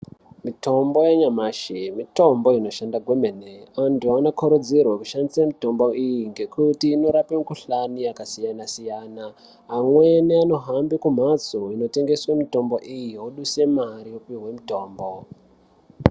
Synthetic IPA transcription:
mito̞mbo̞jaɲamaːʃemito̞mbo̞ino̞ʃandaɡʱwemeneantuanokʰoɾod͡zirwaku̥ʃandisamito̞mbo̞ijiŋɡe̞kutiːno̞ɾapemkuɬaniakasijanasijaːnaː | mweneano̞ɦambikum̤at͡soino̞te̞ŋɡe̞swamito̞mbo̞ʔijioɗuse̞maɾiopiɦwe̞mito̞ːmbo̞

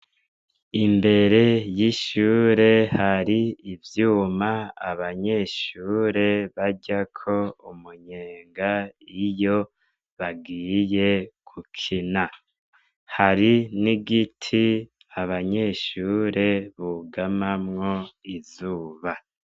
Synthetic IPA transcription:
imbe̞ɾe̞jiʃuːɾe̞haɾiivjuːmaa̰βaɲe̞ʃuːɾe̞βaɟakʰo̞umuɲeːŋɡaijo̞ | βaɡiːje̞kʰukʰina | haɾiniɡitʰi | aβaɲe̞ʃuːɾe̞βuɡamamŋo̞izuːβa

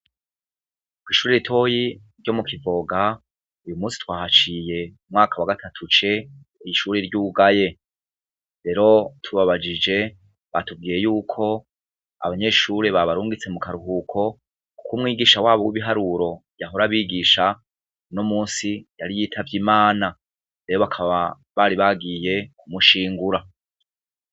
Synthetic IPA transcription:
kwiːʃuɾeɾitʰo̞ːji | ɾɟo̞mukʰivo̞ɡa | ujumuːsi̥twaːhat͡ʃije̞umŋaːkawaɡatʰatʰut͡ʃe̞ | iiʃuɾeɾɟuːɡaje̞ | ɾe̞ɾo̞tʰuβaβad͡ʒid͡ʒe̞ | βatub̚ɡiːje̞juːkʰo̞ | a̰βaɲe̞ʃuɾe̞βaβaɾuːŋɡit͡se̞mukaɾuɦukʰo̞ | ku̥kumŋiːɡiːʃawaːβowiβiɦaɾuɾo̞bjaɦoɾaβiːɡiːʃa | unomuːnsijaɾijiːtʰavjimaːna | ɾe̞ɾo̞βakʰaββa | βaɾiβaɡije̞kumuʃiːŋɡuɾa

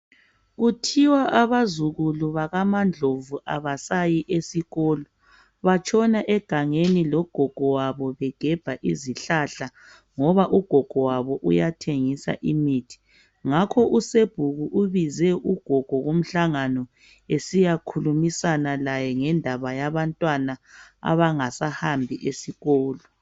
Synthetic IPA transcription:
ɣutʰiwaʔaβazuɣuluβaɣamand͡ɮʱovuʔaβasajiʔesiɣɔːlɔ | βat͡ʃʰʼɔnaʔɛɡ̥ʱaŋenilɔɡ̥ʱɔɡ̥ʱɔwaβɔβɛɡ̥ʱɛb̥ʱaʔiziɬaɬa | ŋɔβaʔuɡ̥ʱɔɡ̥ʱɔwaβɔʔujatʰeŋisa̰ʔimiːtʰi̥ | ŋakʰɔʔuseb̥ʱuɣuʔuβizɛʔuɡ̥ʱɔɡ̥ʱɔɣom̩ɬaŋanɔ | esijakʰulumisanalajɛŋɛndʱaβajaβantʼwanaa̰βaŋasahambʱiʔesiɣɔːlɔ

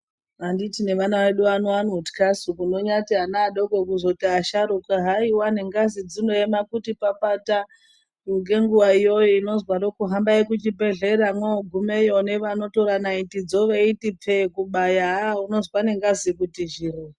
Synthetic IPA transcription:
anditine̞ʋanaʋeɗuʋanoanotkasukuno̞ɲatianaːɗoɡʱokuzotiaʃaɾukaɦaiwaneŋɡazid͡zinojemakutipapata | ŋɡe̞ŋɡuʋaijo̞joino̞zwaɾokuɦambajekut͡ʃibe̞ɮeɾamwoɡʱumejoneʋano̞toɾanaitid͡zoʋeitip͡fekuɓajaauno̞zwaneŋɡazikutiʒiri

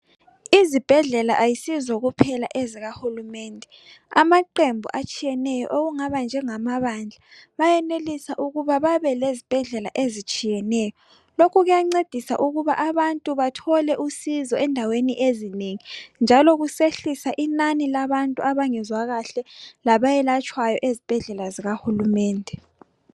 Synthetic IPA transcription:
izib̥ʱɛɮɛlaʔajisizɔɣupʰɛlaʔeziɣahulumɛːndʱɛ | a̰maǃembʱṵʔat͡ʃʼijɛnɛjɔ̰ʔoɣuŋaβand͡ʒʱɛŋamaβand͡ɮʱaβajɛnelisaʔuɣuβaβaβɛlezib̥ʱɛɮɛla̰ʔezit͡ʃʼijɛnɛjɔ | lokʰuɣujaŋ͡ǀed̥ʱisa̰ʔuɣuβaʔaβantʼuβatʰɔlɛʔusizɔɛndʱaweniʔezineŋind͡ʒʱaloɣuseɬisaʔinanilaβantʼuʔaβaŋɛzwaɣaɬɛlaβajɛlat͡ʃʼwajɔʔezib̥ʱɛɮɛlaziɣahulumɛːndʱɛ

